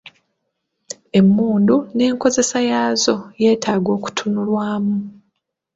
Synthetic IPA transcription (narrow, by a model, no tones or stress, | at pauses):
e̞mːuːndune̞ːŋko̞ze̞sajaːzo̞je̞ːtaːɡo̞ːku̥tʰunulwaːmu